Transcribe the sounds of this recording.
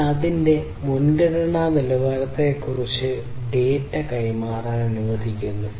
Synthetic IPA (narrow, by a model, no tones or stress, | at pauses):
ɐðinde̞ | munɡɐɽɐɳaːnilɐʋɐlɐt̪ːekːurit͡ɕːɨ | ɖeːtːɐkɐjmaːraːnɐnuʋɐd̪ʱikʲːunːu